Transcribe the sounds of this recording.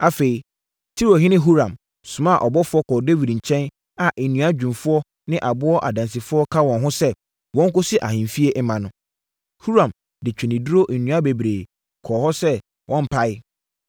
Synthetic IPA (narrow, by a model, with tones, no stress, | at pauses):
a˨fe˨i˨ | tʰi˦ɾo˨ɦɪ˦nɪ̃˦ɦu˦ɾã˨m | sʊ̃˨mã˦˨ʔɔ˨bɔ˦fʊ˦ɔ˦kʰɔ˨de˦wi˨dɲ̩˨t͡ɕʰɛ̃˦n | a˨ʔe˨nũ˨a˦d͡ʑᶣũ˨mfʊ˦ɔ˦ | nɪ̃˦ʔa˨bʊ˦ɔ˦ʔa˨dã˨ns̬i˨fʊ˦ɔ˦kʰa˦wɔ̃˨nɦʊ̃˦sɛ˦ | wɔ̃˦ŋ˦kʊ˦sɪ˦ʔa̰˨ɦĩ˨fi˦e˦ʔɛ˦mã˨nʊ̃˦ | hu˦ɾã˨m | dɪ˨t͡ɕᶣɪ˨nɪ̃˨du˦ɾo˦ʔ̩˨nũ˨˦a˦be˨bɾeː˨ | kʰɔ˨hɔ˦sɛ˦ | wʔɔ̃˦m̩˦pʰa˦ɪ˦